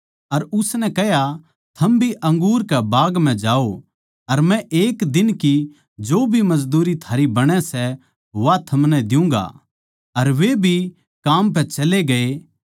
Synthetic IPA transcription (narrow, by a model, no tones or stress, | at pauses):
ɐɾʊsnɛkɛɦja | t̪ʰɐmbʱiʔɐ̃ŋɡuːɾkɛbaːɡm̤ɛ̃d͡ʒaːo | ɐɾmɛ̃ʔeːkd̪ɪnki | d͡ʒoːbʱimɐd͡ʒd̪uːɾit̪ʰaːɾibɐɽ̃ɛsɛ | ʋat̪ʰɐmnɛd̪ɪjũːŋɡa̰ | ɐɾʋebʱi | kaːmp̬ɛ̃t͡ʃɐleɡɐe